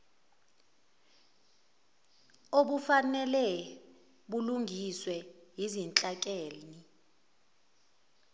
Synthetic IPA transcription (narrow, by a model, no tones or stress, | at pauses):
oɓufanɛlɛ | ɓuluŋɡʱiswɛɦizint͡ɬʼakʼeːni